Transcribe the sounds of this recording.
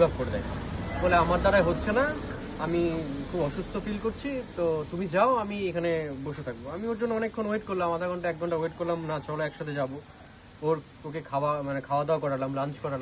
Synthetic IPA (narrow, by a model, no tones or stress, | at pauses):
bʱab̚koɾed̪a̰jfɔleamaɾd̪aɾaeɦotːɕʰena | amikʰubɔʃust̪ʰofilkoɾt͡ɕʰit̪ot̪umid͡ʑaoamiekʰaneboʃet̪ʰak̚boamioɾd͡ʑonːoɔnekʰːonweʈkoɾlamad̪ʰʱaɡʱɔɳʈaɛk̚ɡʱɔɳʈaweʈ̚koɾlamnat͡ɕɔloɛkʃat̪ʰed͡ʑabo | oɾ | okekʰaamanekʰaoad̪aaokɔɾalamlant͡ɕkɔɾala